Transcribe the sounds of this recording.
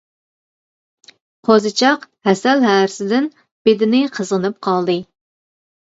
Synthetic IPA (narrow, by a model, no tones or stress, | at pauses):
qʰozɨt͡ʃʰɑqhɛsælɦæːɾɪsɪd̪ɪn | b̥ed̪ɪnɪqʰəzʁənɨp̚qʰɑlˠd̪ɨ